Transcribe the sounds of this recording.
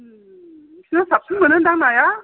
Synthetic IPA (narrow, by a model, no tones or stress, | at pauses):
kʰinasap̚tʰɯŋmənɯndaŋnaja